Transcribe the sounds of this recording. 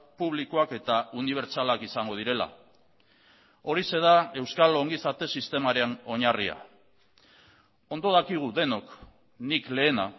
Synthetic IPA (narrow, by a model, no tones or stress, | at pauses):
puβlikoake̞t̪auniβ̞e̞ɾt͡salakisaŋɡo̞ð̞iɾe̞la̰ | o̞ɾise̞ðae̞wskalo̞ŋɡisat̪e̞sist̪e̞maɾeno̞ɲarḭa̰ | o̞nd̪o̞ð̞akiɣ̞uðe̞no̞k | nikle̞ːna